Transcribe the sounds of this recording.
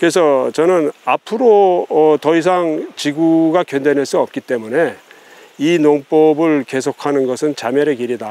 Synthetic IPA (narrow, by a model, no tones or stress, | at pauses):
kɯɾe̞sʰʌt͡ɕʌnɯnapʰɯɾoʌtʌis̬ʰaŋt͡ɕiɡuɡakjʌndenɦɯɭs͈uʌp̚k͈it͈e̞mune̞ | inoŋp͈ʌbɯɭke̞sʰokʰanɯnɡʌsʰɯnt͡ɕamjʌɾekiɾida